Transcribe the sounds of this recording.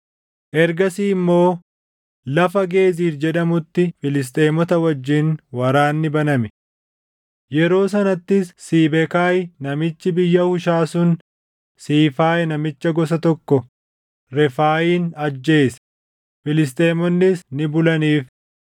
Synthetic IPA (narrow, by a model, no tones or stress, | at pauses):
ʔɛɾɡɐsiːmːo̞ː | lɐfɐɡe̞ːziːfd͡ʒɛᶑɐmʊt̪ːɪfɪlɪs̬t̪ʼeːmɔt̪ɐwɐd͡ʒːɪnwɐɾaːnːɪbɐnɐmɛ | jɛɾo̞ːsɐnɐt̪ːɪsːiːbɛkaːjɪnɐmɪt͡ʃːɪbɪjːɐhʊʃaːsʊn | siːfaːʔɛnɐmɪt͡ʃːɐɡɔs̬ɐt̪ɔkːɔ | ɾɛfaːjiːnɐd͡ʒːe̞ːsɐ̥ | fɪlɪs̬t̪ʼe̞ːmɔnːɪsnɪbʊlɐniːf